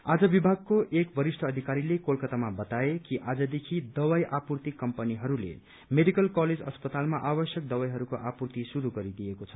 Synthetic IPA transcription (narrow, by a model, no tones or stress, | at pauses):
ad͡zʌbibʱaɡ̚kːoʔekbʱʌɾisʈʰʌːd̪ʱikaɾilekolkʌt̪amabʌt̪aekiʔad͡zʌd̪ekʰid̪ʌwajʔapurt̪ikːʌmpʌniɦʌɾulḛ | meɖikʌlkʌled͡zʌ̰spʌt̪almaʔabʌsjʌk̚d̪ʌwajɦʌɾukoʔapurt̪isuɾuɡʌɾid̪ijekot͡sʰʌ̥